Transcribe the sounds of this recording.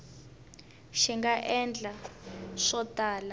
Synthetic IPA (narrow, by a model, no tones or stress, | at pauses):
ʃiŋɡaʔɛnd͡ɮʱaʂɔtʼaːla